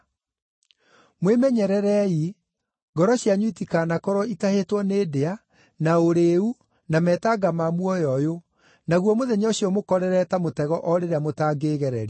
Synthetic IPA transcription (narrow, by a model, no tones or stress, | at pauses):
mwemɛɲɛɾɛɾɛi | ɡɔɾɔɕjaɲwitikaːnakɔɾɔitahetwɔneːdea | naoɾeu | namɛːtaɡamamwɔjɔjo | naɣwɔmoðɛɲoɕiɔmokɔɾɛɾɛtamotɛɣɔʔɔɾeɾeamotaːɡeɣɛɾɛɾe